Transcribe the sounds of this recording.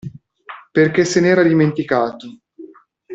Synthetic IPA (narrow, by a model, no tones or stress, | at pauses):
perkesːenɛːɾad̪iment̪ikaːt̪o